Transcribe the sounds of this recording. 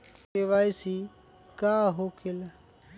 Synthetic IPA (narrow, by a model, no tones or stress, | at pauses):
eʋaːisi | kaːɦoːkʰel